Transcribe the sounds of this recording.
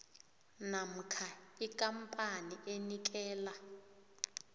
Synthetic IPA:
nam̩kʰaik̬ʼampʼaniʔenik̬ʼɛːla

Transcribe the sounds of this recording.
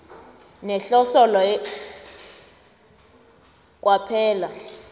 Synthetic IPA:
nɛɬɔsɔlɔ | k̬ʼwapʰɛːla

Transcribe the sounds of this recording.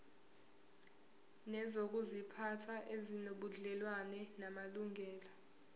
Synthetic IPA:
nɛzok̬ʼuzipʰatʰaʔezinoɓuɮɛlwanɛnamaluŋʱɛːla

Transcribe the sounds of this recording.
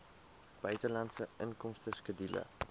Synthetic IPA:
b̥œɥtəlɐntsəənkɔmstəskədilə̰

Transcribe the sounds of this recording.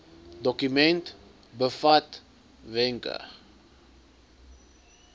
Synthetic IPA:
dɔkymɛnt | bəfat | vɛŋkə̰

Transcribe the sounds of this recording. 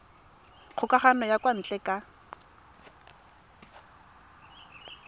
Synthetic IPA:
q͡χʰʊkaχanɔjakʼwan̩t͡ɬʼɛkʼa

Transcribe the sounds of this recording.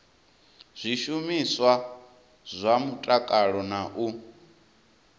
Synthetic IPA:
z̥ʷiʃumiswa | zʷamutʼakʼaɺɔnaʔu

